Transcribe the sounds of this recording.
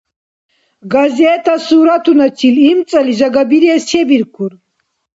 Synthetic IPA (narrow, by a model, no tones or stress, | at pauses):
ɡazɛːt̪ʰasuːɾat̪ʰunat͡ʃʰilimt͡sʼɛliʒaɡabiɾiɛst͡ʃʰɛbiɾkʰuɾ